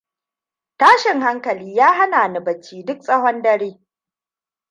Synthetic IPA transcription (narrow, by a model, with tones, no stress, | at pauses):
taː˦ʃɪ˨ŋha˦ŋkɐ˨liː˦jaː˦ha˦naː˨na˨bɐ˨t͡ʃːiː˦dʊ˦k̚sʼɐ˦ɦɔ˦ndɐ˦ɾeː˦